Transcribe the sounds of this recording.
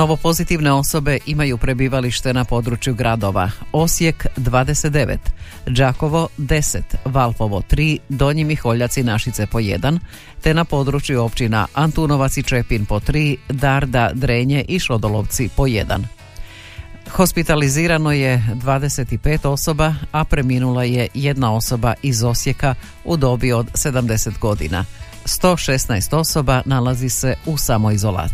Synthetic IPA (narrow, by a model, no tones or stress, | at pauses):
no̞ʋo̞po̞zit̪iʋne̞o̞so̞be̞ʔimajupɾe̞biːʋaliʃt̪e̞napo̞d̪ɾut͡ʃjuɡɾad̪o̞ʋa̰o̞sje̞kd̪ʋaːd̪eset̪d̪e̞ʋḛt̪ | d͡ʒako̞ʋo̞d̪e̞set̪ʋalˠpo̞ʋo̞t̪ɾiːd̪o̞ɲimixo̞ʎat̪sinaʃit̪se̞po̞je̞̰d̪an | t̪e̞napo̞d̪ɾut͡ʃjuo̞pt͡ɕina̰ʔant̪uno̞ʋat̪sit͡ʃe̞pinpo̞t̪ɾiːd̪aɾd̪ad̪ɾeːɲeʔiʃo̞d̪o̞lo̞ʋt̪sipo̞je̞̰d̪a̰n | xo̞spit̪aliziːɾano̞je̞d̪ʋaːd̪e̞se̞t̪ipe̞ːt̪o̞so̞baapɾe̞minulajeje̞d̪nao̞so̞baʔizo̞sje̞ka | ud̪o̞bio̞d̪se̞d̪amd̪e̞se̞t̪ɡo̞d̪ḭna̰ | st̪o̞ːʃe̞st̪naest̪o̞so̞banalazise̞usamo̞izo̞la̰ː